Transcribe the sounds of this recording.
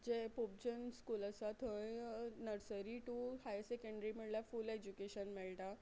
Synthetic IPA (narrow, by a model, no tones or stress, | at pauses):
d͡ʑepop̚d͡ʑənskuːləsat̪ʰə̃nəɾsəɾiʈuhajsekəɳɖɾim̤əɽljafuled͡ʑukeɕənmeɭʈa